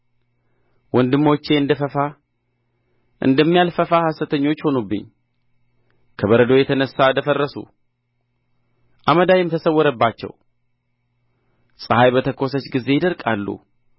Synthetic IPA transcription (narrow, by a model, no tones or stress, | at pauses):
wɔnd̪ɨmːo̞t͡ʃːe̞ɨnd̪əfəfa | ʔɨ̰nd̪əmːijalfəfahastət̪ʰəɲːo̞t͡ʃːho̞nubːɨ̰ɲː | kʰəβəɾəd̪o̞jɛt̪ʰənəsːad̪əfərːəsṵ | ʔaməd̪ajɪmt̪ʰəsəwːɔɾəbːat͡ʃːɛ̰w | sʼɨhajbət̪ʰəkʰːo̞sət͡ʃɡize̞jd̪əɾkʼalːṵ